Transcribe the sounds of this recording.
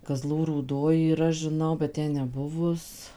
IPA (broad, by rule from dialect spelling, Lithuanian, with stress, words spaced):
kɐˈzlˠuː ruːˈdoːj iːˈrɐ ʒʲɪˈnɐʊ bʲɛt ˈtʲɛn nʲɛˈbʊʋʊs